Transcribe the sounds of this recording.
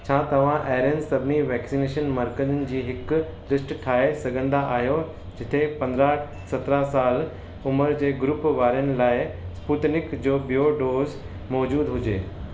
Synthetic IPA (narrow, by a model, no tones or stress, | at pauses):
t͡ɕʰãːt̪ɐʋ̤ãʔɛːɾjənsɐbʱniʋɛːksineːʃənmaɾkənnɪ̆d͡ʑiːɦɪk | d̪ɾɪsʈʈʰaːesɐɡʱə̃nd̪aʔaːɦjo | d͡ʑɪt̪ʰepɐ̃nd̪ɾa | sɐt̪ɾasaːl | ʊməɾd͡ʑeːɡɾʊpʋaːɾijənɪ̆laːɪsput̪nɪkd͡ʑoːbijoːɖoːz | mɔːd͡ʑuːd̪ɦʊd͡ʑeː